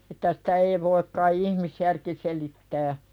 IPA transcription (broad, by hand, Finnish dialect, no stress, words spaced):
etːæ sĭ̥tæ ei ʋoik kɑi ihmisjærki selitːæː